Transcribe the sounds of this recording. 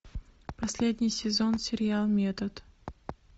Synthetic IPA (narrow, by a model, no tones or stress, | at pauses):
pɐsʲlʲed̪ʲnʲɪjsʲɪzo̞nsʲɪɾʲɪalˠmʲet̪ət̪